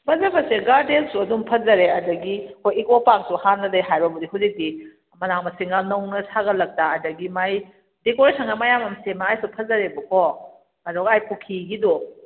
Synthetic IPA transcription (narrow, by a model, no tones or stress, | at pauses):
pʰɐzɐbɐseɡaɾdensuɐdumpʰɐzɐɾeɐdɐɡihojikopaŋsuhanːɐdɐjɦajbɐbudiɦuzik̚di | mɐnaŋmɐsiŋanɐwnɐsaɡɐlɐk̚taːdɐɡimaj | dekoɾisɐŋɐmajamɐmsemaːjsupʰɐzɐɾebɐkɔ | ɐdoɡajpʰukʰiɡidɔ